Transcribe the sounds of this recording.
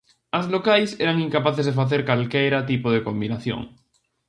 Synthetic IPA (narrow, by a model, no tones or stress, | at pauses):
azlokajseɾaŋĩŋkapaθezðefaθeɾkalkejɾat̪ipoð̞ekombinaθjõ̰ŋ